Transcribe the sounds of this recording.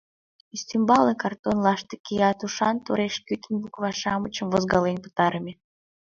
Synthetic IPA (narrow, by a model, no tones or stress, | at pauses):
ist̪ymbɑlekɑrt̪onlɑʃt̪ekʲijɑt̪uʃɑnt̪oɾeʃkyt̪ʲənbukβɑʃɑmət͡ɕəmvozɡɑlenpə̥t̪ɑɾəmʲe